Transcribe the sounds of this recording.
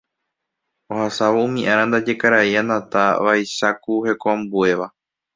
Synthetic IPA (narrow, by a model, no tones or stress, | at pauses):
ohasaʋoũmĩʔãɾãnd̪ad͡ʒe̞kaɾaiãnd̪ãt̪aʋajʃakuhe̞koãmbue̞ʋa